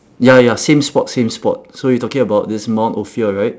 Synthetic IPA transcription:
jajasẽmspɔt̚sẽmspɔ̰t̚sojɔtɔkɪ̃ŋəbaʊt̚dɪsmãʊ̃ntofiəɹaɪt̚

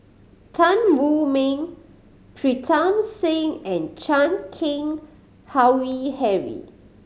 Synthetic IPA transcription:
tʰãnwumĩŋ | pʰɹitʰãmsẽŋɛ̃nt͡ʃãnkʰĩŋ | hawwihɛɹḭ

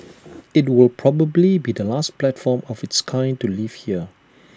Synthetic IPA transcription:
ɪt̬̚wɪlˠpʰɹɔbəblibidəlastplɛtfɔmɔvɪtskʰãɪ̃ntuliv̥hiə

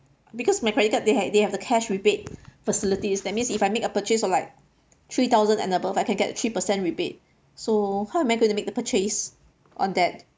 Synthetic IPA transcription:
bikɔsmaɪkʰɹɛtikədeɛdehɛvdəkʰɛʃɹibet̚fəsilitisdɛt̚mĩnsifajmekəpət͡ʃesɔlaɪk̚ | t̪ʰɹit̪aʊzə̃nɛ̰̃nəbəfaɪjkɛ̃nɡɛtət̪ʰɹipəsɛ̃nɹibet̚ | sohaʊɛ̃maɪjɡõj̃tumek̚dəpət͡ʃes | ʔɔ̰̃ndɛt̚

